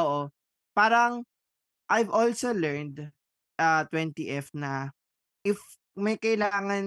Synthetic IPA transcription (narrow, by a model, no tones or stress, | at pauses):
oʔo | paːɾɐŋ | ʔajvɔlsolɛɹnd̪ | ʔɐt̪wɛnt̪iʔɛfnɐ | ʔɪf | mɐjkɐʔɪlaːŋɐn